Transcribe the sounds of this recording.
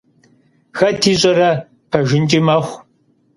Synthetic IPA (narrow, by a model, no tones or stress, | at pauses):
xɐtʰiːɕʼɐɾɐ | pʰɐʒɪnt͡ʃʼimɐxʷ